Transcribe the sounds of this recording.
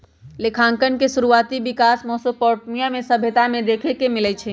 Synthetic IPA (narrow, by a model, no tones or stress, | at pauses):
lekʰãŋkənkesuɾuat̪ibikasmɔsopɔʈmijamesəbʱjət̪amed̪ekʰekemilɛt͡ʃʰɛ